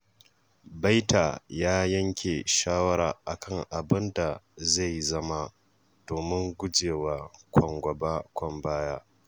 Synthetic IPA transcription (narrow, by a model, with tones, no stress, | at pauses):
ba˦jtʰaː˨jaː˦jɐ˦ŋkʲʰe˨ʃaː˦wɐ˦ɾaː˨ʔa˨kʰɐ˦˨ŋʔa˨bɪ˦nda˨za˦˨jzɐ˦ma˦ | d̥oː˨mɪ˦ŋɡʷʊ˦d͡ʒeː˨waː˨kʷʰɔ˨ŋɡʷɐ˨ba˦kʷɔ˨mbaː˦jaː˦